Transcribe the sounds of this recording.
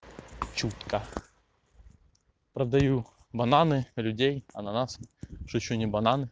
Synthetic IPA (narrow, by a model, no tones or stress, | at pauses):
t͡ɕut̪kɐ | pɾɐd̪ɐju | bɐnanɪlʲʊdʲejɐnɐnasʂʊt͡ɕːɔnʲɪbɐnanɨ